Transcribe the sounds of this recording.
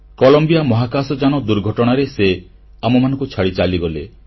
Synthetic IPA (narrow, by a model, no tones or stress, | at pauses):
kɔlɔmbijamɔɦakasɔd͡ʒanɔd̪uɾɡʱɔʈɔɽ̃aɾese | amɔmanɔ̃ŋkut͡ʃʰaɽit͡ʃaliɡɔle